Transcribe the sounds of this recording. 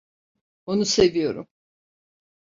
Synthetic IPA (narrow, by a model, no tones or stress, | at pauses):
onuse̞vijo̞ɾṵm